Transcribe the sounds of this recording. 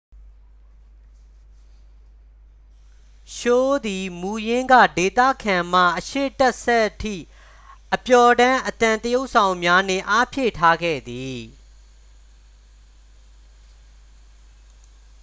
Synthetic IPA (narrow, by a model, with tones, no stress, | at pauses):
ʃo˦d̪i˨mu˨jɪ̃˦ŋɡä̰˦˨de˨t̪ä̰˦˨kʰã˨m̥a̰˦˨ʔəʃḛ˦˨tɛ˦ʔsɛ˦ʔtʰḭ˦˨ | ʔəpjɔ˨dã˦ʔət̪ã˨nt̪əjo˦ʊʔsʰã˨ʊ̃mja˦n̥ɪ̰̃˦˨ʔa˦pʰjḛ˦˨tʰa˦ɡɛ̰˦˨d̪i˨